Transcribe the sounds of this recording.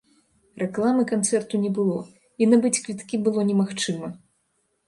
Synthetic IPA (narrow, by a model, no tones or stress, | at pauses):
rʔɛklˠamɨkant̪sɛrt̪unʲɛbɨlˠɔ | inabɨt͡sʲkvʲit̪kʲibɨlˠɔnʲɛmaxt͡ʂɨmɐ